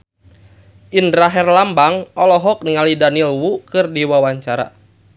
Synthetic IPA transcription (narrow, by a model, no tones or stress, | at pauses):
ʔinɾaɦɛrlambaŋɔlɔɦɔk̚niŋalidanilwukɨrdiwawaɲt͡ʃaɾa̰